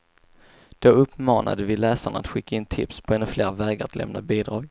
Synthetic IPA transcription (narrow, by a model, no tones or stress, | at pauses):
d̪̥oɵpːmɑːnʔa̰d̪əvɪlɛːsaɳaat̪ɧɪkːaɪnt̪ʰɪpspʰɔɛnːɵfleːɾvɛːɡaɾat̪lɛ̰mna̰biːd̪ɾɑːɡ